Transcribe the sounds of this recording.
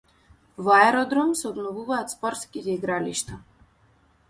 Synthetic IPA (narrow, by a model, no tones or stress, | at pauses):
vaɛɾɔd̪ɾɔmsɛɔbnɔvuvaːt̪spɔɾt̪skit̪ɛiɡɾaliʃt̪a